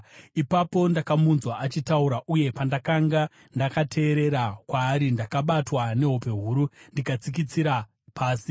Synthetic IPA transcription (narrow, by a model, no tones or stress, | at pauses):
ipapo̞ndakamunzwaʔat͡ʃitauɾaʔuje̞pandakaŋɡa | ndakatʰe̞ːɾe̞ɾakwaːɾindakaɓatwane̞ɦope̞ɦuːɾundikat͡sikit͡siɾa | pʰaːsi